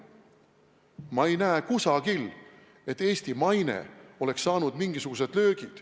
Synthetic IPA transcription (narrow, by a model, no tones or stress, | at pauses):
mɑe̞jnæːkusɑɡil | e̞t̪ːe̞ːsʲt̪imɑjne̞̰o̞le̞ksːɑːnud̪̥miŋɡ̥isuɡ̥use̞d̪̥lø̞ːɡ̥id̪̥